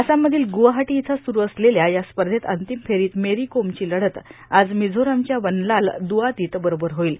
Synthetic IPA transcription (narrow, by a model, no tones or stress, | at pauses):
əsamːəd̪ʱiːlɡuʋaɦaʈiːt͡sʰasuɾuəsleljajaspəɾd̪ʱet̪ənt̪imfʰeɾiːt̪meɾikomt͡ɕiːləɽət̪ad͡zmid͡zʱoɾamt͡ɕjaʋənlald̪uʋat̪iːt̪bəɾobəɾɦoiːl